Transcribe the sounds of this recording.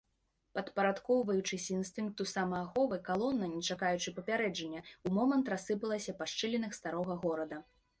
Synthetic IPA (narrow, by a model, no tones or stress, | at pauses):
pɐt̪pɐɾat̪kɔwvɐjut͡ʂɨsʲinst̪ɨŋkt̪usamɐːxɔvɨkalˠɔnːɐnʲɛt͡ʂakajut͡ʂɨpɐpʲaɾɛd͡ʐɐnʲːɛumɔmɐnt̪ɾasːɨpɐlˠɐsʲɐpaʂt͡ʂɨlʲɛnɨxst̪aɾɔɣɐɣɔɾɐd̪ɐ